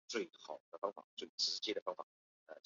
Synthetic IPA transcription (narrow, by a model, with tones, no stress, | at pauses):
t͡swe˥˩ɪxɑ̰˨˩ʊd̪ə˧fɑ˥ŋfa̰˨˩˦t͡swe˥˩ɪt͡s̩ʰ˧˩ʂ̩˥t͡ɕɛ˥˩d̪ə˩fɑ˥ŋfa̰˨˩ | ə˧˩t͡ɕ